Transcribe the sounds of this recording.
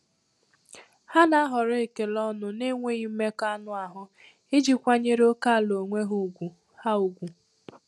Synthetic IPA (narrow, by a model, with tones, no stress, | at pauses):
ha˦na˦a˦ɦɔ˨ɾe˨ke˨lɔ˦nʊ˦ne˦ŋʷe˦i˦me˦ka˦nʊ˦a˨ɦʊ˦ | e˦d͡ʒi˨kʷa˦ɲe˦ɾo˦ka˦˨lo˨ŋʷe˦ɦu˨ɡʷu˨ | ha˦u˨ɡʷu˨